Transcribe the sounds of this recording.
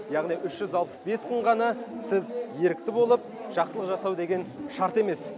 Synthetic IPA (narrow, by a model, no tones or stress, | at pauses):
jɑʁnijʔʏʃʒ̥ʏzɑlˠpə̥sbe̞sqʰʊɴʁɑnɑsɪzje̞ɾɪk̚t̪ɪbo̞lˠəp̚ʒ̥ɑqsəlˠəqʒɑsɑwd̪e̞ɡʲe̞nʃɑɾt̪e̞me̞s